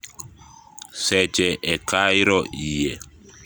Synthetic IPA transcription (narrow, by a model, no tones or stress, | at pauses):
sɛt͡ʃɛʔɛkaiɾɔʔijɛ